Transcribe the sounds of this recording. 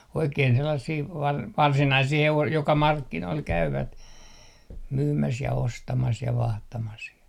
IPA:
oikein selːɑsːiː ʋɑr ʋɑrsinɑisiː heʋos jokɑ mɑrkːinoil kæyʋæt myːmæs jɑ ostɑmɑs jɑ ʋɑhtɑmɑs jɑ

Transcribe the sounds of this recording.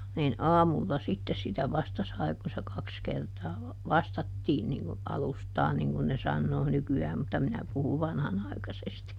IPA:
nin ɑːmulːɑ sitːes sitæ ʋɑstɑ sɑi kun̞ se kɑks kertɑː ʋɑstɑtːiːn niŋ ku ɑlustɑː niŋ kun ne sɑnːoː nykyæːm mutːɑ minæ puhuʋ̆ ʋɑnhɑnɑˑi̯kɑsesti

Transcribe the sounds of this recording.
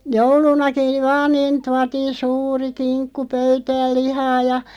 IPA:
joulunɑki ʋɑːn̆ niːn tuɑtiːn̞ suːri kinkːu pøytæːl̆ lihɑː jɑ

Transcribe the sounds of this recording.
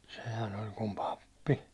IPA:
sehæn olʲ kum pɑpːi

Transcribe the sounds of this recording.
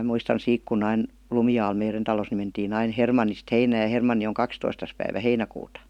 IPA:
muistɑn siːk kunː ɑin lumiɑːl meiren tɑlos ni mentiːn ɑin hermɑnːist heinæːj̆ jɑ hermɑnːi oŋ kɑkstoistɑs pæiʋæ heinækuːtɑ

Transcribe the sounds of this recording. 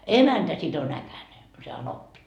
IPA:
emæntæ sit on ækæne se ɑnopːi

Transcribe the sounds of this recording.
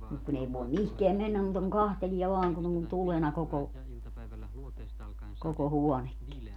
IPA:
mut kun ei ʋoem mihkeæm menːæm muːtɑ kuŋ kɑhteliɛ ʋɑːŋ kun on tulenɑ koko koko huɔnekːi

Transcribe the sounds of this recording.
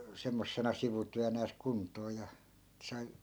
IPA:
semːosːenɑ siʋutyænæːs kuntˑoː jɑ sɑi

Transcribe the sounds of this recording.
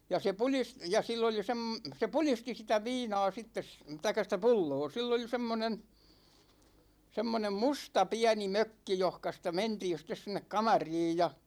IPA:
jɑ se pulis jɑ silː oli sem se pulisti sitæ ʋiːnɑ̝ː sitːes tɑikˑɑ sĭtæ pulːoː silː oli semːonen semːonem mustɑ piæni møkːi johkɑ sitæ mentiːn̞ sitˑes sinˑek kɑmɑriːj jɑ

